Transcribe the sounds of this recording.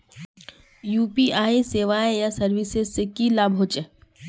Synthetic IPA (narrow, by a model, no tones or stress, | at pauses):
juːpiʔaːeseːʋaːjejasɐɾʋɪsezsekilaːbʱɦoːt͡ʃe